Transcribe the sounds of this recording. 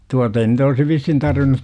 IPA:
tuɑtɑ ei nyt olsi ʋishin tɑrʋinˑut

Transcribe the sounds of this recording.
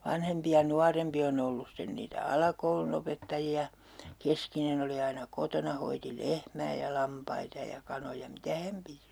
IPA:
ʋɑnhempi jɑ nuɑrempi on olːus sten niːtæ ɑlɑkoulunopetːɑjiɑ keskinen oli ɑinɑ kotonɑ hoiti lehmæː jɑ lɑmpɑitɑ jɑ kɑnojɑ mitæ hæm piti

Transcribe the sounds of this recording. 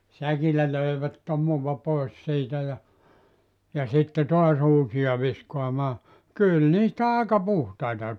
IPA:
sækilːæ løiʋæt tomuʋɑ pois siːtæ jɑ jɑ sitːe toɑs uːsij̆ɑ ʋiskoɑmɑː kyl niːstæ ɑˑekɑ puhtɑitɑ

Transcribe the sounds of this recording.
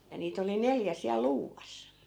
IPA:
jɑ niːt oli neljæ siæl luːʋɑs

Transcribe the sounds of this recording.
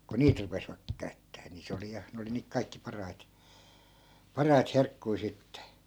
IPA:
ku niːt rupesʋɑk kæy̞tːæː ni se oli jɑ ne oli niːk kɑikːi pɑrɑit pɑrɑit herkːui̯ sitːe

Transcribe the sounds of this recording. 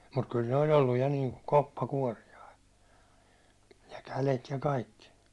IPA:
mut kyl ne olʲ olːuj jɑ niːŋku kopːɑkuɒrijɑi jɑ kælet jɑ kɑikːi

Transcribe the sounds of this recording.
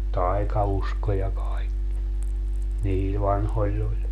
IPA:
tɑi̯kɑusko jɑ kɑikːi niːl ʋɑnholʲː olʲ

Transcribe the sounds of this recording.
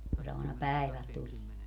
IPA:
ku se ɑˑinɑ pæˑiʋæl tulie

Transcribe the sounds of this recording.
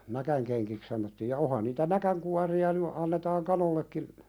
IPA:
nækæŋkeŋkik sɑnotːiːj jɑ ohɑn niːtæ nækæŋkuɑriɑ ny ɑnːetɑːŋ kɑnolːekːin

